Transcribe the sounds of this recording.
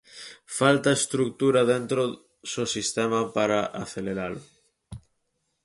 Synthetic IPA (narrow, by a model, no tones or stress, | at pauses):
falt̪aest̪ɾuk̚t̪uɾaðent̪ɾo | sosist̪emapaɾaʔaθeleɾalʊ